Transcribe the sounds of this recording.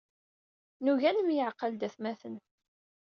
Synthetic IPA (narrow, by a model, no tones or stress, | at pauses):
nuʝænəmjəʕqəld̪æθmæθən